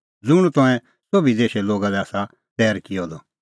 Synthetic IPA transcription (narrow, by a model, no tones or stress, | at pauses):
d͡zʊɽ̃t̪ɔ̃ɛ̃ | sobid̪eːʃɛloːɡalɛaːsa | t̪ɛːɾkɪjɔd̪ɔ